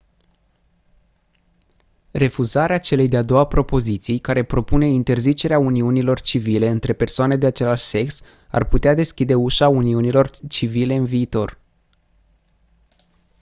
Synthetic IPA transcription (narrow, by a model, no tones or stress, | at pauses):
re̞fuzaɾeat͡ʃe̞le̞jd̪ead̪o̞wapɾo̞po̞zit̪sijkaɾe̞pɾo̞pune̞int̪e̞rzit͡ʃe̞ɾeauniunilo̞rt͡ʃivile̞ɨnt̪ɾe̞pe̞rsoane̞d̪e̞at͡ʃe̞laʃse̞ks | a̰rput̪ead̪e̞skʲid̪e̞uʃauniunilo̞rt͡ʃivile̞ɨnviːt̪o̞r